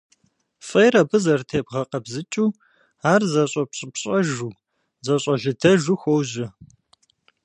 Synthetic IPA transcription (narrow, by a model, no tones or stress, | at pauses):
fʼɐjɾɐbɨzɐrtʰeːbʁɐqɐbzɨt͡ʃʼuː | aːrzɐɕʼɐpɕʼɪpɕʼɐʒuː | zɐɕʼɐɮɨdʰɐʒuxʷɔwʑɪ